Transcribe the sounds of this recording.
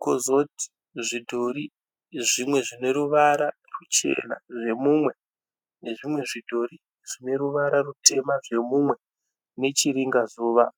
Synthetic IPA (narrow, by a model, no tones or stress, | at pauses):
kozo̞ti̥ | ʐidʱoɾi | ʐimwe̞ʐine̞ɾuʋaɾa | rut͡ʃe̞̰na̰ʐe̞mumwe̞ | neʐimwe̞ʐidʱo̞ɾi | ʐ̥ine̞ɾuʋaɾarutʰe̞maʐe̞mumwe̞ | ne̞t͡ʃiɾiŋɡazuːʋa